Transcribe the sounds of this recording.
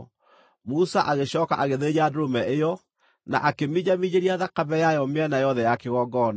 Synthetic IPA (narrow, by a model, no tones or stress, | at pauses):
musaʔaɣeɕɔːka̰ʔaɣeðed͡ʑadomɛʔejɔ | na̰ʔakemid͡ʑamid͡ʑeɾiaðakaβɛjajɔmɪɛnajɔðɛjakeɣɔɡɔna